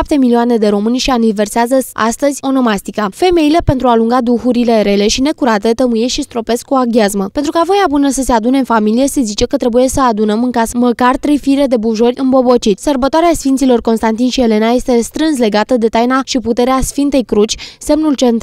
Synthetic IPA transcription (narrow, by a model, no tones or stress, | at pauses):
p̚t̪e̞milioane̞d̪e̞ɾo̞mɨnʲʃianive̞rseazəa̰st̪əzʲo̞no̞mast̪ikafe̞me̞ile̞pe̞nt̪ɾuaːluŋɡad̪uxuɾile̞ɾe̞le̞ʃine̞kuɾat̪e̞t̪əmujesʃist̪ɾo̞pe̞skkuaɡʲiazməpe̞nt̪ɾukavo̞jabunəsəse̞ad̪une̞ɨnfamilije̞se̞zit͡ʃe̞kət̪ɾe̞buje̞səad̪unəmɨŋkasməkart̪ɾe̞jfiɾe̞d̪e̞buʒo̞rʲɨnbo̞bot͡ʃit̪ʲsərbət̪oaɾeasfint̪silo̞rko̞nst̪ant̪inʃie̞le̞naje̞st̪e̞st̪ɾɨns̬le̞ɡat̪əd̪e̞t̪ajnaʃiput̪e̞ɾeasfint̪e̞jkɾut͡ʃʲse̞mnult͡ʃent̪